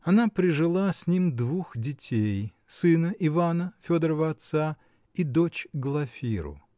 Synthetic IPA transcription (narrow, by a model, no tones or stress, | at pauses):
ɐnapɾʲɪʐɨlˠasʲnʲimd̪vuxdʲɪtʲʰejsɨnəʔɪvanəfʲod̪əɾəvəɐt̪sa | id̪o̞t͡ɕɡlˠɐfʲiɾʊ̰